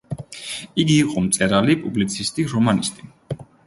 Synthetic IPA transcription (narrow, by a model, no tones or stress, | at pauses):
iɡiːqʼɔmt̪sʼɛɾalipʼublit̪sʰist̪ʼiɾɔmanist̪ʼi